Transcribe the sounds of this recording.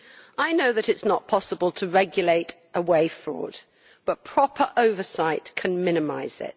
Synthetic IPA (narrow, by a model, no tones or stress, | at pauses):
aɪnoʊðɨɾɪtsnət̚pʰɒsəbəlˠtʰəɹɛɡjəleɪtʔəweɪfɹɔ̰ːd̚ | b̥ʌt̚pʰɹ̥ɒpʰəɹʔəʊvəsaɪtkʰə̃nmɪ̃nɪmaɪz̥ɪ̰t̚